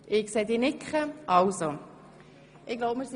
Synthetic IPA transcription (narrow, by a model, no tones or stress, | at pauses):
ʔɪkseːd̪iːnɪkχəʔɑwso | ɪɡ̥loʊbmɪɾs